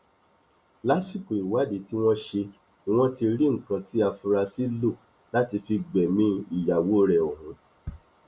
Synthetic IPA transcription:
la˨˦si˦˨ko˨i˨wa˨˦de˨˦ti˦w̃ɔ̃˦ʃe˧ | i˦w̃ɔ̃˦ti˧ɾi˦ŋ̩˨kã˧ti˦a˧fu˧ɾa˧si˦lo˦˨ | la˦ti˧fi˧ɡ͡bɛ˨mĩ˦i˦˨ja˨wo˦ɾɛ˨o˨hũ˨˦

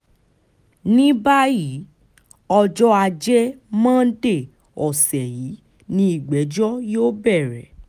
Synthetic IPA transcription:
nĩ˦ba˦ji˨˦ | ɔ˧d͡ʒɔ˦a˧d͡ʒɛ˦mãː˦de˦˨ | ɔ˨sɛ˨ji˨˦ | nĩ˦i˦˨ɡ͡bɛ˨˦d͡ʒɔ˦joː˦bɛ˦˨ɾɛ˨

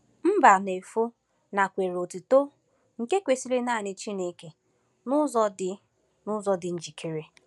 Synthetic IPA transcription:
m̩˦ba˨ne˨fo˦ | na˨kʷe˨ɾo˨tu˨to˦ | ŋ̩˨ke˦kʷe˨si˦le˦na˦˨nɪ˨t͡ʃi˦ne˦ke˨ | nʊ˦zɔ˦dɪ˨ | nʊ˦zɔ˦dɪ˨n̩˦d͡ʒi˨kʰe˨ɾe˦

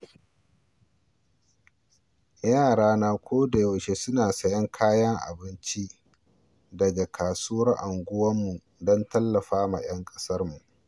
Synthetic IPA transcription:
jaː˦˨ɽaː˦naː˦˨kʷʰoː˦da˨ja˨ʃe˦sʊ˦naː˨sɐ˨jɐ˦ŋkʰaː˦jɐ˦ŋʔa̰˨bɪ˦nt͡ʃi˦ʔ | da˨d͡ʒɐ˨kʰaː˨suː˦ɐ˦ʔa˨ŋɡʷʊ˦wɐ˦mːu˨ | dɐ˦ntɐ˦lːɐ˨ɸaː˦ma̰˨j̰ɐ˦ŋkʼɐ̥˦sɐ˦rmu˨ʔ

